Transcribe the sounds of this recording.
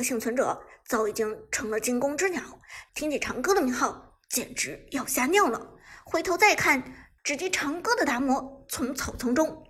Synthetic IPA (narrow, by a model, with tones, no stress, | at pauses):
ɕi˥˩ŋt͡sʰwə˧˥nʈ͡ʂɤ̰˨˩t͡sɑ˥˩ʊi˨˩t͡ɕi˥ŋʈ͡ʂʰɤ˧˥ŋlə˧t͡ɕi˥ŋkʊ˥ŋʈ͡ʂɻ̩˥njɑ˨˧˥ʊt̪ʰi˥ŋt͡ɕi˨˩ʈ͡ʂʰɑ˧˥ŋkɤ˥d̪ə˨mi˧˥ŋxɑ˥˩ʊ | t͡ɕjɛ̰˨˩nʈ͡ʂɻ̩˧˥jɑ˥˧ʊɕja˥njɑ˥˩ŋlə̰˩xwe˧˥ɪt̪ʰo˧˥ʊt͡sa˥˧ɪkʰa˥˩n | ʈ͡ʂɻ̩˧˩t͡ɕjɛ˥ʈ͡ʂʰɑ˧˥ŋkɤ˥d̪ə˨t̪a˧˥mwɔ˧˥t͡sʰʊ˧˥ŋt͡sʰo˨˩ʊt͡sʰʊ˧˥ŋʈ͡ʂʊ˥ŋ